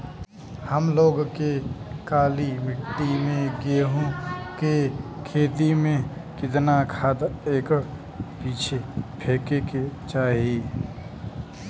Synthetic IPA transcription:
həmloːɡkekaːlimɪʈːimẽɡeɦõːke | kʰeːt̪imẽkɪt̪nakʰaːd̪eːk | piːt͡ʃʰepʰeːkeket͡ʃaːɦieː

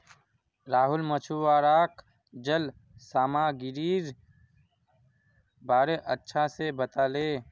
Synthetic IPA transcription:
ɾaːɦʊlmət͡ʃʰuwaːɾaːk | d͡ʒəl | saːmaːɡɪɾiːɾ | baːɾeʔətːʃʰasebət̪aːleː

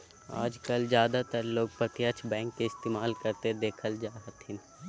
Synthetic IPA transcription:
a̰ːd͡ʒkɐlzjaːd̪at̪əɾloːɡ̚pɐt̪jat͡ʃʰbɛ̃ːŋkːeɪst̪eːmaːlkɐɾt̪ed̪eːkʰəld͡ʒaːɦət̪ɪ̃n

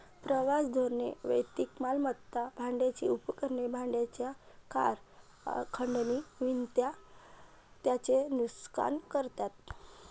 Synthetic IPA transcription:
pɾəʋasd̪ʱoɾnḛʋə̰jt̪ikmalmət̪ːabʱãɳɖjat͡ɕḭupkəɾnebʱãɳɖjat͡ɕja | ka̰ɾ | kʰəɳɖniʋint̪ja | t̪jat͡senuska̰nkəɾt̪at̪̚

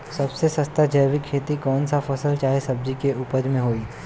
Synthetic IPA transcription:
sɐbsesɐst̪ad͡ʒəːʋɪkʰːeːt̪ikɔːnsafɐsəlt͡ʃaːɦesɐb̚d͡ʒikeʔuːpəɾmẽɦoːiː

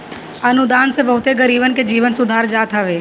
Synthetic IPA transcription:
ɐnʊd̪aːnsebɐɦʊt̪eɡəɾiːbənked͡ʒiːʋənsʊd̪ʱaːɾd͡ʒaːt̪əʋeː

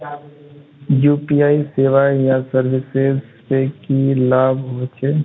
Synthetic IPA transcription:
juːpiaːiseːʋajãsəɾʋɪsɪzpekilaːbʱɦoːt͡ʃʰe

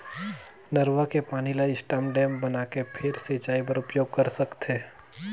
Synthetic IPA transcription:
nɐɾʋakepaːnilaɪsʈəmɖɛ̃ːmbɐnaːkepʰɪɾset͡ʃaːipɐɾʊpjoːɡ̚kɐɾsɐkt̪ɦeː

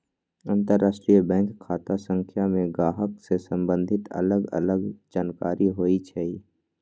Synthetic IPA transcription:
ə̃nt̪əɾːaːsʈɾijəbɛ̃ːŋkʰːaːt̪asə̃ŋkʰjamẽɡaːɦəksesə̃mbə̃nd̪ʱɪt̪ə̰ləɡə̰ləɡd͡ʒaːnkaːɾiɦoːit͡ʃʰɛi

